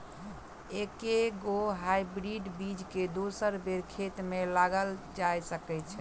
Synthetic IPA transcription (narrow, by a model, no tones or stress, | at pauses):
ekeɡoɦajbɾiɖbid͡ʒked̪osəɾbeɾkʰet̪melaɡəld͡ʒajsəkɛt͡ʃʰɛ